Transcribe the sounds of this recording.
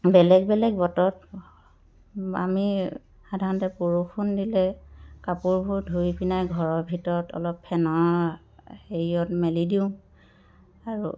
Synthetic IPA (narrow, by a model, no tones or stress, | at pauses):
bɛlɛɡbɛlɛɡ̚bɔtɔt̚ | a̰mi | xadʱaɹɔntɛpuɹukʰundilɛkapuɹbʱuɹdʱuipinajɡʱɔɹɔbʱitɔɹɔtɔ̰lɔpʰːɛnɔɹ | heɹiɔtmɛlidiʊ̃ | aɹṵ